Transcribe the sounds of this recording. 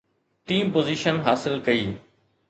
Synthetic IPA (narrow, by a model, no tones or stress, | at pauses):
ʈĩːmpoːziːʃənɦaːsɪlkɐiː